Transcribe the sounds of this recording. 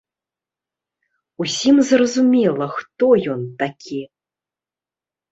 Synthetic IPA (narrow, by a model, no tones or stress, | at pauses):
usʲimzrɐzumʲɛlˠɐxt̪ɔjɔnt̪akʲʰi